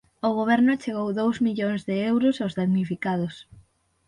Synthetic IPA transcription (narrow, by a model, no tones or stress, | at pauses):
ʊɣoβ̞ɛɾnʊt͡ʃeɣowðowzmiʎoŋzðɪewɾʊsawzðaŋnifikaðʊs